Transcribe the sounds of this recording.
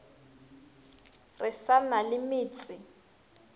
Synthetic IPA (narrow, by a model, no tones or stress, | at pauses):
rɪsanalɪmɪːt͡sʼɪ